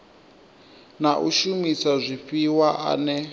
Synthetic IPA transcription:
naʔuʃumisazʷiɸiwaʔa̰nɛ

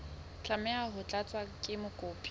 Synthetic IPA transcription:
t͡ɬamɛaɦʊt͡ɬʼat͡sʼwakʼɪmʊkʼoːpʼi̥

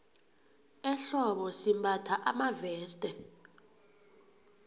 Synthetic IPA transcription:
ɛɬɔɓɔsimbatʰaʔamavɛːstʼɛ

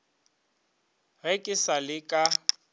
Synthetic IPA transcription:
ɣekʼɪsalɪkʼa

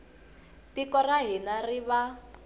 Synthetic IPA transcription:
tikɔraɦinariβa

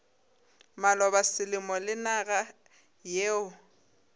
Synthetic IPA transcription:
malɔbasɪlɪmɔlɪnaɣa | jeːʊ

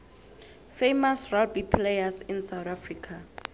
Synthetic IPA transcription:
fejmasralbipʰlejasinsawθafrikʰa

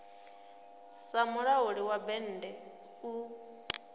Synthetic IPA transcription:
samuɺauɺiwabɛn̩ːdɛ | u

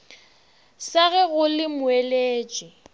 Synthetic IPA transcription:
saɣɛɣʊlɪmʊeleːt͡ʃʼɪ

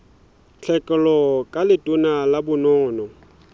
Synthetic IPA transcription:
t͡ɬʰɛkʼɛlɔkʼalɪtʼʊnalabʊnɔːnɔ

